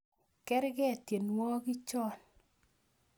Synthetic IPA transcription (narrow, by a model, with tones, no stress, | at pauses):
kɛ˦ɾɡɛ˦˨tje˨nwɔ˦ɡɪ˦t͡ʃɔ˦n